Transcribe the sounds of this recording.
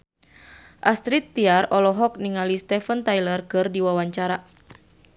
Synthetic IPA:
ʔast̪ɾit̪ːiarɔlɔɦɔk̚niŋalist̪ɛfənt̪ajlərkɨrdiwawaɲt͡ʃaɾa

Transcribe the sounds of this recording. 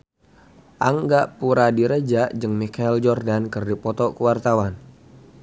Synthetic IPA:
ʔaŋɡaʔpuɾadiɾəd͡ʒaʔd͡ʒɨŋmikaild͡ʒɔrdankərdipɔt̪ɔkəwart̪awan

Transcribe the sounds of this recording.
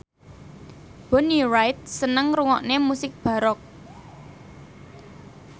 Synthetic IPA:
b̥ɔ̤nirajt̪̚sənəŋɾuŋɔʔnemusɪk̚b̥a̤ɾɔk̚

